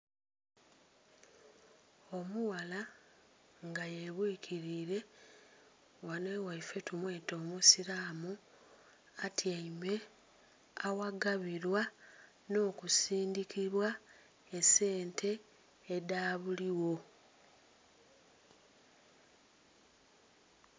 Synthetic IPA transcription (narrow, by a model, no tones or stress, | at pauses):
omuwala | ŋɡajeβwiːkʰiɾiːɾe̞ | wane̞ːwaife̞tumwe̞ːto̞ːmusiɾaːmu | atʰiaime̞ | awaɡaβiɾwa | no̞ːkusiːndikiβwa | ese̞ːntʰe̞ː | daːβuliwo̞